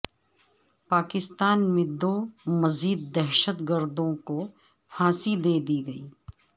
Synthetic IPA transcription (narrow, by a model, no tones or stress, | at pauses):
paːkɪst̪aːnmẽd̪oːmɐziːd̪ːɛɦʃət̪ɡəɾd̪õko | haːsɪld̪eːd̪iːɡɐiː